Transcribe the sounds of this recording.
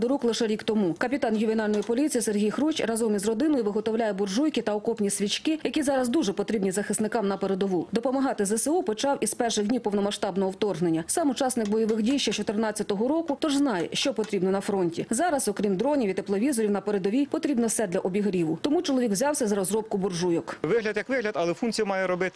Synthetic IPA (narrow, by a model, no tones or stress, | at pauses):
d̪ɔɾuklˠɪʃɛɾʲikt̪ɔmukɐpʲit̪ɑnjʊʋʲinɑlʲnɔjipɔlʲit͡sʲijiserɦʲijxɾut͡ʃʲrɐzɔmʲizrɔd̪ɪnɔjʋɪɦɔt̪ɔwlʲajɛbʊrʒujkɪt̪ɐɔkɔpnʲisʲʋʲit͡ʃkɪjɐkʲizɑɾɐzd̪uʒɛpɔt̪ɾʲibnʲizɐxɪst̪nɪkɑmnɐpeɾed̪ɔʋud̪ɔpɔmɐɦɑt̪ɪzɛsɛupɔt͡ʃɑwʔizpɛrʃɪɣdʲnʲipɔwnɔmɐʃt̪ɑbnɔɦɔwt̪ɔrɦnenʲːɐsɑmʊt͡ʃɑsnɪkbɔjɔʋɪxdʲijʃt͡ʃɐt͡ʃɔt̪ernɑt͡sʲːɐt̪ɔɦɔɾɔkʊt̪ɔʒznɑjɛʃt͡ʃɔpɔt̪ɾʲibnɔnɐfɾɔnʲtʲḭzɑɾɐzɔkɾʲimd̪ɾɔnʲiʋʲit̪eplˠɔʋʲizɔɾʲiwnɐpeɾed̪ɔʋʲijpɔt̪ɾʲibnɔwsɛd̪lʲɐʔɔbʲiɦɾʲiʋʊt̪ɔmut͡ʃɔlˠɔʋʲiɡwzʲɑwsʲɐzɐɾɔzɾɔp̚kʊbʊrʒujɔkʋɪɦlʲɐd̪jɐkʋɪɦlʲɐd̪ɐlˠɛfunt̪t͡sʲijɐmɑjɛɾɔbɪt̪ɪ